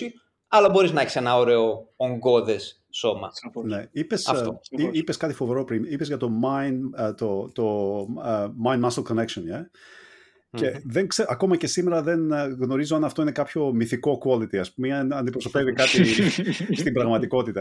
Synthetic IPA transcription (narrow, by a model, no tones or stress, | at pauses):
i | ɐlɐboɾiznɐeçise̞nɐoɾeooŋɡo̞ðesː | o̞mɐneipe̞sɐftoiipe̞skɐt̪ifo̞veɾo̞pɾimipe̞zʝɐt̪o̞mɐjnt̪ot̪o | majnmɐsɐlko̞ne̞kʃone | ce̞ðeŋkseʔɐko̞mɐce̞sime̞ɾɐðe̞nɣno̞ɾizoɐnɐft̪o̞ine̞kɐpço̞miθiko̞kuolit̪iɐspumeɐnd̪ipɾoso̞pe̞vikɐt̪i | st̪imbɾɐɣmɐt̪iko̞t̪it̪ɐ